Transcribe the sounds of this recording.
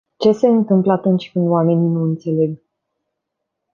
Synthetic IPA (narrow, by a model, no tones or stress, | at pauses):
t͡ʃe̞se̞ɨnt̪ɨmpləat̪unt͡ʃʲkɨnd̪oame̞ninuɨnt̪se̞le̞ɡ